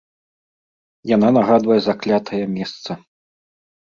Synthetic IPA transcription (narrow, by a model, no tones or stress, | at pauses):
jan̪anaɣad̪vɐjɛzaklʲat̪ʰɐjɐmʲɛst̪sɐ